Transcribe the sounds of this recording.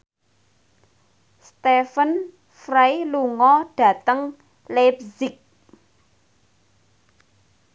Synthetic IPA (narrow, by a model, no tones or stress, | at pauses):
st̪efən | fɾajluŋɔɖ̥ä̤t̪əŋ | lepzɪk̚